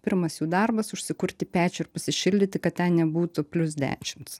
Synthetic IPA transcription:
pʲɪɾmɐsjuːd̪ɑɾbɐsʊʃʲsʲɪkʊɾʲt̪ʲɪpʲæːt͡ʃʲʊɪɾpɐsʲɪʃʲɪlʲd̪ʲɪt̪ʲɪkɐt̪̚t̪ʲɛnnʲɛbuːt̪ʊpʲlʲʊs̬d̪ʲæ̰ːʃʲɪmt̪s

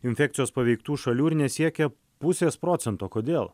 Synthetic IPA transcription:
ɪnʲfʲɛk̚t̪ʲɪjoːspɐʋʲɛɪkt̪uːʃɐlʲuːɪɾnʲɛsʲiɛkʲɛ | pʊsʲeːspɾoːt̪sʲɛnt̪oːkoːd̪ʲeːlˠ

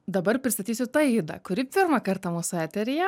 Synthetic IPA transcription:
d̪ɐbɐɾpʲɾʲɪst̪ɐt̪ʲiːsʲʊt̪ɐːiːd̪ɐ̰kʊɾʲɪpʲɪɾmɐkɐɾt̪ɐmuːsʊæːt̪ʲɛɾʲɪjɛ

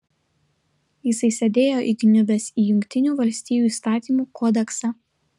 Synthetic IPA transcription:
jɪsɐɪsʲɛd̪ʲeːjoːʔḭɡ̪ʲɪnʲʊbʲɛsiːjʊŋʲkʲt̪ʲɪnʲuːʋɐlʲsʲt̪ʲiːjuːiːst̪ɑːt̪ʲiːmuːkʰɔːd̪ʲɛksɑ

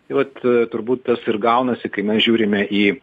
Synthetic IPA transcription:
t̪ɐɪʋɐt̪t̪ʊɾbuːt̪t̪ɐsɪrɡɐʊnɐsʲɪkɐɪmʲɛsʒʲuːɾʲɪmʲɛʔiː

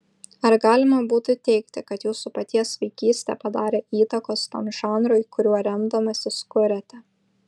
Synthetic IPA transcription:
ɐɾɡɑːlʲɪmɐbuːt̪ʲʊt̪ʲɛɪkt̪ʲɪkɐt̪juːsʊpɐt̪ʲiɛsʋʲɐɪkʲiːsʲt̪ʲɛ̰pɐd̪ɑːɾʲeːiːt̪ɐkoːst̪oːnʒɑːnɾoɪkʊɾʲuɔɾʲɛmd̪ɐmɐsʲɪskʊɾʲɛt̪ʲɛ

